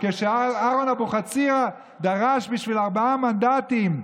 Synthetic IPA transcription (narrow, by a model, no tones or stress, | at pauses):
keʃeaaʁonaboχat͡siʁa | d̪aʁaʃbiʃvilaʁbaamand̪at̪im